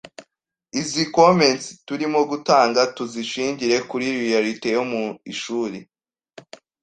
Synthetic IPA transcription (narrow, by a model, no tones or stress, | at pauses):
izikomensituɾimo̞ɡutaːŋɡatuziʃiːɲɟiɾe̞kuɾiɾijaɾite̞jo̞muiʃuːɾe